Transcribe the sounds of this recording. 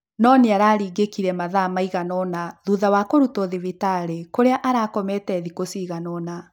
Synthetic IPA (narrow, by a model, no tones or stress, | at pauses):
nɔneaɾaːɾiːɡekiɾɛmaðamaiɣanɔnaðuðawakoɾutoðevitaɾekoɾeaʔaɾaːkɔmɛtɛðikosiɣanɔna